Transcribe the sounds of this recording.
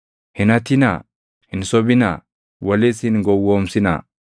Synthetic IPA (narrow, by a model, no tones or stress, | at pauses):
hɪnɐt̪ɪna̰ː | hɪnsɔbɪna̰ː | wɐlɪshɪnɡɔwːoːmsɪna̰ː